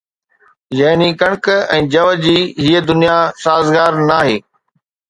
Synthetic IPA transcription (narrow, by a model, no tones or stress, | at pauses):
jɐːnikɐɽ̃kɛ̃ːd͡ʑɐʋəd͡ʑiːɦiəd̪ʊnijasaːzɡaːɾnaːɦeː